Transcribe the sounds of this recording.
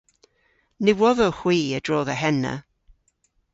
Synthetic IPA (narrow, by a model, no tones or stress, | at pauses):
nɪwɔðɔxwiːəd̥ɹɔːðəɦɛnə̰